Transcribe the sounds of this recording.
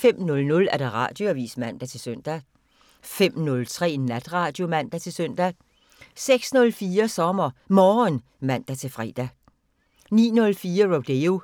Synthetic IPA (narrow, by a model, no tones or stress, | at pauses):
fem̰nɔ̽lnɔ̽læɐd̥eʁɑ̰̈ːd̥jo̝æʋḭːsmæn̰d̥æt͡sʰe̝søn̰d̥æ | fem̰nɔ̽lt͡sʰʁɛ̰ːnæd̥ʁɑ̈ːd̥jo̝mæn̰d̥æt͡sʰe̝lsøn̰d̥æ | seɡ̥snɔ̽lfiːɐsɒ̽mɐmɒːn | mæn̰d̥æt͡sʰe̝fʁɛ̰ːd̥æ | nḭːnɔ̽lfiːɐʁod̥eo